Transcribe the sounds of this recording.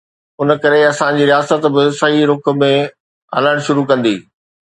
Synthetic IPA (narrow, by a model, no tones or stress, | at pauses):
ʊnə̆kɐɾeɐsãd͡ʑiːɾijaːsət̪bɪsɐɦiɾʊkʊ̆mẽ | ɦɐ̰ləɽ̃ʃʊɾukɐ̃nd̪ḭː